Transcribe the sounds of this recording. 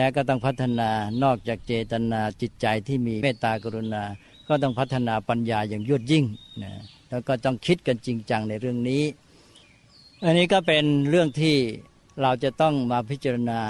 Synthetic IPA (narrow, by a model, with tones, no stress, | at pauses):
lɛː˦˥wkɔː˥˩t̪ɔ˥˩ŋpʰa˦˥t̪ʰːa˧naː˧nɔː˥˩k̚t͡ɕaː˨˩k̚t͡ɕeː˧t̪a˧naː˧t͡ɕi˨˩t̪̚t͡ɕa˧jt̪ʰiː˥˩miː˧meː˥˩t̪ːaː˧kʰa˧ɾu˧naː˧ | kɔː˥˩t̪̬ɔ˥˩ŋpʰa˦˥t̪ʰːa˧naː˧pa˧njaː˧jaː˨˩ŋju˥˩ət̪̚ji˥˩ŋna˧˩lɛː˦˥wkɔː˥˩t̪ɔ˥˩ŋkʰi˦˥t̪̚ka˧nt͡ɕi˧ŋt͡ɕa˧ŋna˧jɾɯ˥˩əŋniː˦˥ | ʔa˧nːiː˦˥kɔː˥˩pe˧nɾɯ˥˩əŋt̪ʰiː˥˩ | ɾa˧wt͡ɕa˨˩t̪ɔ˥˩ŋmaː˧pʰi˦˥t̪̚t͡ɕa˧ɾa˧naː˧